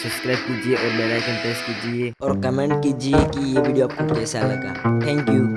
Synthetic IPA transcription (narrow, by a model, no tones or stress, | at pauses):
səbskɾaːɪb̚kid͡ʒieʔɔːɾbɛlajkə̃ɳʈɛsʈ̚kid͡ʒieɔːɾkəmẽɳʈkid͡ʒiekijebʱiːɖijoab̚kʰʊt͡ʃkɛːsalɐɡa̰ːt̪ʰɛ̃ːŋkju